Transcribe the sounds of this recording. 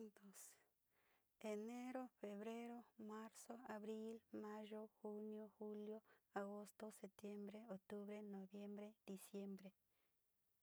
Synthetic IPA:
nd̪o˨s | e˨ne˦ɾo˦fe˨βɾe˦ɾo˦ma˦ɾso˦a˨βɾi˦lmã˦ʒo˦xu˦njo˦xu˦ljo˦a˨ɣo˦st̪o˦se˨p̚t̪je˦mbɾe˦o˨k̚t̪u˦βɾe˦no˨βje˦mbɾe˦d̪̥i˨sje˦mbɾe˧

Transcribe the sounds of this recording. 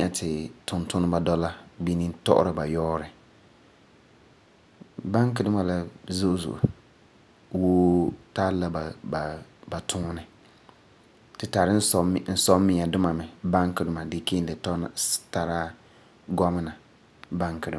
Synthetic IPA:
i˦a˨tʰɪ˨tʊ˨ntʊ˦nɨ˦ba˨dɔ˦la˦bi˦ni˦tɔ̰˦ʔʊ̰˦ɾɪ˨ba˨jɔː˦ɾɪ˨ | ba˦ŋkɪ˨dʊ˦ma˨la˦zo˦ʔzṵ˨ʔṵ˨ | woː˦ta˦lla˦ba˨ba˨ba˨tʰʊ˦nɪ˨ | tɪ˨ta˨ɾɪ˦n̩˦sɔ˦mːɪ˦a˨dʊ˦ma˨mɛ˨ba˦ŋkɪ˨dʊ˦ma˨dɪ˨ke˦n˦dɪ˨tta˨ɾa˦ | ɡɔ˦mɪ˦na˨ | ba˦ŋkɪ˨dʊ˦˨

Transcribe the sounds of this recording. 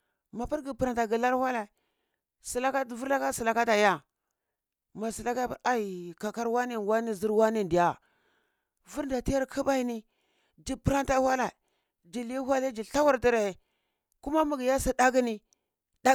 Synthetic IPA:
ma˨pi˦ɾɡi˨pə˨ɾa˨nta˨ɡi˨la˦ɾwʷa˦la˨ | si˨la˦ka˦˨vu˦ɾla˦ka˦si˨la˨ka˦ta˨ja˦ | ma˨si˨la˦ka˦˨a˨i˨ka˨ka˦ɾwa˦ni˦n˨wa˦ni˦zi˦ɾwa˦ni˦ndi˨ja˨ | vu˦ɾn˦da˨ti˦ja˦ɾkʰi˦ba˦i˦ni˦ | d͡ʒi˨pi˦ɾa˦nta˦wa˦la˨ | d͡ʒi˨li˦ha˦le˦d͡ʒi˨ɬa˦wa˦ɾti˦ɾe˨ | ku˦ma˦mu˨ɡi˨ja˦si˦da˦ɡi˦ni˦ | da˦

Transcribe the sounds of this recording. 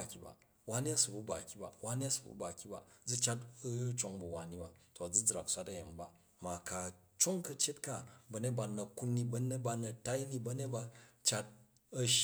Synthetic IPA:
a˨kʲi˨ba̰˨ | wa˦ni˦ɐ˦su˨bu˨˦ba˨kʲi˨˦ba̰˨wa˦ni˦ɐ˦su˨bṵ˦ba˨kʲi˦ba̰˨d͡zu˦t͡ʃa˦tt͡ʃo˦ŋbu˨wa˨ni˦ba˨to˨ɐ˨d͡zu˦d͡zɾa˨ksʷa˦tɐ˦je˨mba˦ | ma˨ka˨ | t͡ʃo˦ŋkɐ˧t͡ʃe˦tka˦bɐ˨ne˦t̚ba˨nɐ˨ku˦nːi˧bɐ˦ne˦t̚ba˧nɐ˨ta˦i˦ni˦bɐ˦ne˦t̚ba˧t͡ʃa˦t̚ | ɐ˦ʃ

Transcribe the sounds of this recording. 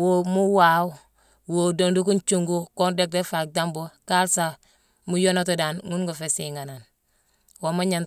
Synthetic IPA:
wo˦mu˦wa˨w | wo˨do˨ndu˦ku˦nt͡ʃu˦ŋɡu˦ko˦nde˦k̚de˦fa˨k̚da˦mbo˦ka˦lsa˨ | mu˦jo˦no˦to˨da˨nŋu˦nɡo˨fe˨si˨ŋa˨na˨n | wo˨ma˦ɲa˨n

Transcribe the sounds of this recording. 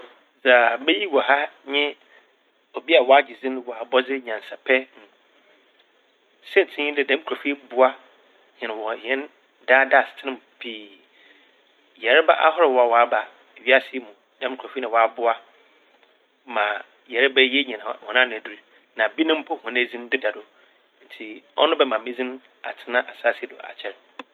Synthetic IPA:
d͡za˨bɛ˦ji˦wɔ˨ɦa˦ɲɪ̃˦ | o˨bi˦a˨wɔ˦a˦d͡ʑi˨d͡zĩ˦n˦wɔ˨a˨bɔ˦d͡zɪ˦ɲã˨n˨sa˨pʰɛ˦ñ̩˨ | sɪ̃˦n˨tʰɪ̃˦ɲɪ̃˦dɪ˨dɛ̃˦m˦kʰɔ˨fi˦bʊ˦a˦ | ɲɪ̃˨nɪ̃˨wɔ˨jɛ̃˦n | daː˦da˦˨stʰɪ˦nɪ̃˦˨mpʰiː˦ | jɛ˨ɾɛ˦ba̰˦ʔa̰˦hɔ˦ɾɪ˨wɔ˦a˨wɔ˨a˦ba˨ | ɥi˦a˦sɪ˦ɛ˦mũ˨ | dã˦m˦kʰɔ˨fi˦nã˨wɔ˨a˦bʊ˦a˦ | mã˨ | jɛ˨ɾɛ˦bɛ˦jɛ˦ɲɛ̃˨nã̰˨hɔ̰˨nã˦nʊ̃˨du˦ɾi˦ | nã˨bi˦nʊ̃˦m̩˦pʰɔ˦hɔ̃˨ne˦d͡zĩ˦n˦dɪ˦da˨dʊ˨ | n̩˨tʰi˨ɔ̰˦nʊ̃˦bɛ˦mã˨mĩ˦d͡zĩ˦n | a̰˨tʰɪ˦nã˦ʔa˨saː˦si˦ɛ˦dʊ̰˨ʔa̰˨t͡ɕʰɛ˦ɾɛ˨

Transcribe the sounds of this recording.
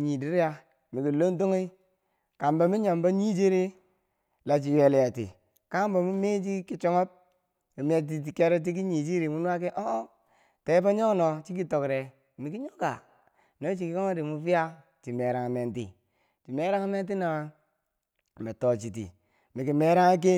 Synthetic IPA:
ɲi˨di˦ɾja˦ | mi˨ki˨lo˦n˦t̬o˦ŋi˦ | ka˨mba˨mi˦ɲo˨mba˦ɲi˦d͡ʒi˦ɾi˦ | la˨t͡ʃ̬i˨je˨lja˨tḭ˨ | ka˦bo˨mu˦me˦d͡ʒi˦ki˦t͡ʃo˦ŋo˦p̚ | i˨m˦e˨t̬i˨t̬i˨ke˦ɾe˦t̬i˦k̬i˦ɲi˨d͡ʒi˦ɾi˨mu˦n˦a˦ke˦ʔo˦ | te˨˦ba˦ɲo˦no˨t͡ʃi˦ki˦to˨kɾe˨ | mi˨ki˦ɲo˦ka̰˨ | no˦t͡ʃi˨ki˦ko˦ŋo˦di˨mu˦fi˦ja˦ | t͡ʃi˨me˨ɾa˨ŋa˨me˨ntḭ˦˨ | ti˨me˦ɾa˦ŋa˦me˦nt̬i˦na˨a˦˨ | me˨to˨t͡ʃi˨tḭ˨ | mi˨ki˨me˦ɾa˦ŋa˦k̬e˦

